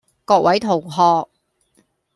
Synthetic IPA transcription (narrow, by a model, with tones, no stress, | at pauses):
kɔː˧k̚wɐ˨˥jt̪ʰo˨˩wɦɔː˧k̚